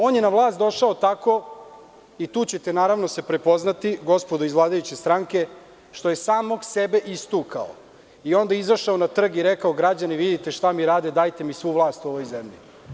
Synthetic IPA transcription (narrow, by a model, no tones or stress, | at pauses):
o̞ːnjenaʋlˠaːst̪d̪o̞ʃaot̪ako̞ | it̪uːt͡ɕe̞t̪e̞naːɾaʋno̞se̞pɾe̞po̞znat̪iɡo̞spod̪oizʋlˠaːd̪ajut͡ɕest̪ɾaŋke̞ | ʃt̪o̞jesaːmo̞ɡsebe̞ʔist̪uka̰o̰ | io̞nd̪aizaʃaonat̪r̩ɡiɾekaoɡɾad͡ʑaniʋid̪it̪e̞ʃt̪amiɾaːd̪e̞d̪ajt̪e̞misʋuːʋlˠaːst̪uo̞ʋo̞jzemʎḭ